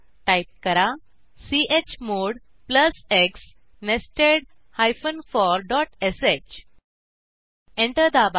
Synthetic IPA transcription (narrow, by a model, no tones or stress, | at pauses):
ʈajp̚kəɾa | siet͡ɕmoɽ | pləseks | nesʈeɽ | hajfənfɔɾɖɔʈeset͡ɕ | ẽɳʈəɾd̪aba